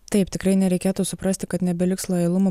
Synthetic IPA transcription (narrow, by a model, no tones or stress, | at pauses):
t̪ɐɪpt̪ʲɪkɾɐɪnʲɛɾʲɛɪkʲeːt̪uːsʊpɾɐsʲt̪ʲɪkɐt̪nʲɛbʲɛlʲɪkslˠɐjɛlˠʊmo